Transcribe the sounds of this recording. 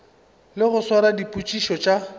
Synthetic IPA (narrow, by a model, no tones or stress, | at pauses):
lɪɣʊswaɾadipʼut͡ʃʼiʃɔt͡ʃʼa